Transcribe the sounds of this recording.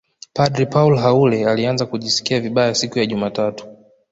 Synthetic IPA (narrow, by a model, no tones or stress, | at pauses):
padɾipaulɦaulɛalianzakuʄisi̥kiaviɓajasikujaʄumaːtatu̥